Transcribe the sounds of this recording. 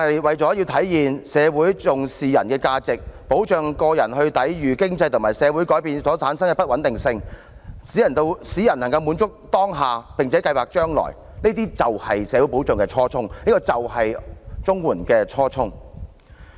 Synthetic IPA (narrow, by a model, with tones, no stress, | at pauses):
jwɐ˨jt͡sɔː˨˥ji˧wt̪ʰɐ˨˥jjiː˨nsɛː˨˧wuː˨˥jt͡sʊ˨ŋsiː˨jɐ̰˨˩nkɛː˧kaː˧t͡sɪ˨k̚po˨˥wt͡ʃœː˨ŋkɔː˧jɐ˨˩nhɵ˧ɥt̪ɐ˨˥jjyː˨˩kɪ˥ŋt͡sɐ˧jt̪ʰʊ˨˩ŋmaː˨˩jsɛː˨˧wu˨˥jkɔː˨˥jpiː˨˧nsɔː˨˥t͡sʰaː˨˥nsɐ˥ŋkɛ˧pɐ˥t̚wɐ˨˥nt̪ɪ˨ŋsɪ˧ŋ | siː˨˥jɐ˨˩nt̪o˧wsiː˨˥jɐ˨˩nɐ˨˩ŋkɐ˧wmuː˨˧˥nt͡sʊ˥k̚t̪ɔː˥ŋɦaː˨pɪ˨˩ŋt͡sʰɛ˨˥kɐ˧jwaː˨k̚t͡ʃœː˥ŋlɔ̰˨˩j | neː˥t̪iː˥t͡sɐ˨whɐ˨jsɛː˨˧wu˨˥po˨˥wœː˨˩ŋkɛ˧t͡ʃʰɔː˥t͡sʰʊ˥ŋniː˥kɔː˧t͡sɐ˨whɐ˨jt͡sʊ˥ŋwuː˨˩nkɛː˧t͡ʃʰɔː˥t͡sʰʊ˥ŋ